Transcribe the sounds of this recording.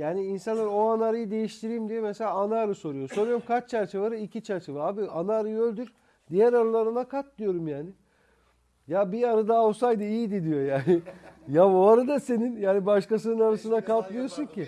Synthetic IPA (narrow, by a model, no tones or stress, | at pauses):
jaːniːnsanlˠaɾo̞anaɾɯjɯd̪e̞jiʃt̪ʰiɾiːmd̪ijemeselʲaːnaːɾɯso̞ɾujo̞soɾujo̞ɾumkʰat͡ʃt͡ʃʰæɾt͡ʃʰevaɾɯicʰit͡ʃʰæɾt͡ʃʰevaabianaːɾɯølʲd̪yɾ | d̪ijæɾaɾalˠaɾɯnakʰat̪̚d̪ijo̞ɾumjaːnɪ | jabiaɾɯd̪aːosajd̪ɯijid̪id̪ijo̞jaːnɪjaboaɾad̪ase̞ninjaːnibaʃkasɯnɯnaɾasɯnakalˠt̪lˠɯjo̞suɲcʰi